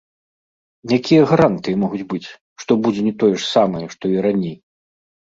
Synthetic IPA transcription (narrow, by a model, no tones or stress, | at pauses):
jakʲijɐɣaɾant̪ɨjɛmɔɣud͡zʲbɨt͡sʲ | ʂt̪ɔbud͡zʲɛnʲɛt̪ɔjɛʂsamɐjɛʂt̪ɔiɾanʲej